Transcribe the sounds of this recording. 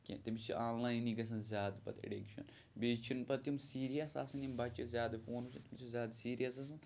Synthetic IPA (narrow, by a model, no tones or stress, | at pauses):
kʲḛ̃t̪imit͡ʃʰḭʔaːnlaːjniɡɐs̬ɐnzʲjaːd̪pɐ̰t̪ḛɖikʃʰɐ̰n | biːt͡ʃʰinpɐt̪jimsiːɾijɐsa̰ːsɐnimbɐt͡ʃʰizʲjaːd̪foːnusʲɐnt̪imit͡ʃʰizʲaːd̪siːɾijɐs̬ɐs̬ɐn